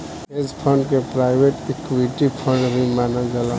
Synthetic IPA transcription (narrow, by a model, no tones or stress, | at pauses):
ezpʰə̃ɳɖkepɾaɪbeʈekʋiʈipʰə̃ɳɖbʱimanaɡəla